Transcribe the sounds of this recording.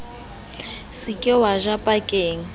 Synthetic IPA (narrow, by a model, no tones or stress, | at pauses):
sɪkʼɪwaʒapʼakʼeːŋ̩